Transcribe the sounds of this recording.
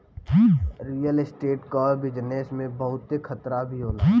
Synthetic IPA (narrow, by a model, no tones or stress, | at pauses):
ɾiːjəlɪsʈeːʈkɔːɾbɪd͡ʒnesmẽbɐɦʊt̪ːekʰət̪ɾabʱiɦoːlaː